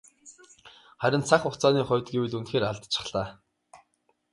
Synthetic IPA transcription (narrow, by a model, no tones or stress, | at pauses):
χæɾʲɪ̆nt͡sʰaχʊxt͡sʰɔːniːχʊ̟wʲt̪̚ɡewɘɮunxeːraɮt̪t͡ɕʰɪ̥̆χɮ̥aː